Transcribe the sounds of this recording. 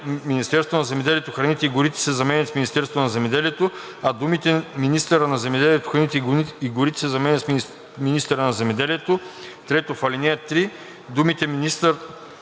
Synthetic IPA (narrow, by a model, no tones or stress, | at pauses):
minist̪ɛɾst̪vonɐzɛmɛd̪ɛliɛt̪oxɾɐnit̪ɛiɡʊɾit̪ɛ̥sɛzɐmɛnʲɐt̪sminist̪ɛɾst̪vonɐzɛmɛd̪ɛliɛt̪o | ɐd̪umit̪ɛminist̪əɾənɐzɛmɛd̪ɛliɛt̪o̥xɾɐnit̪ɛiɡʊɾit̪ɛ̥sɛzɐmɛnʲət̪ | minist̪ɛɾənɐzɛmɛd̪ɛliɛt̪ot̪ɾɛt̪ofɐlʲinɛt̪ɾi | d̪umit̪ɛminist̪əɾ